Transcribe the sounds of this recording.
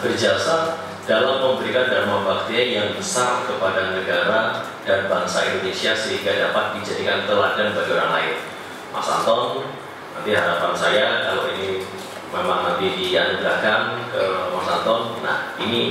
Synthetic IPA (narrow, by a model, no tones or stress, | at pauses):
bərd͡ʒasa | d̥alampəmbəɾikandaɾmabak̚d̪ejaŋbəsarkəpadanəɡaɾa | d̥anbaŋsaindonesiasəɦiŋɡadapat̪̚did͡ʒadikank̪əladanbad͡ʒuɾa̰nla̰ɪn | ma̰sa̰nt̪ɔŋ | nant̪iɦaɾapansajakaloini | memaŋnant̪idia̰nubəɾakankəmasant̪ɔŋna̰hini